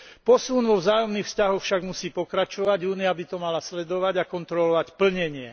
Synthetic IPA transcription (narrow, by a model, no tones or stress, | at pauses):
pɔsunʋɔʋzaːjɔmniːxfscaɦɔxfʃaɡmusiːpɔkɾat͡ʃɔʋaɟuːniabit̪ɔmalaslɛd̪ɔʋaɟakɔnt̪ɾɔlɔʋacpl̩ɲɛɲɪɛ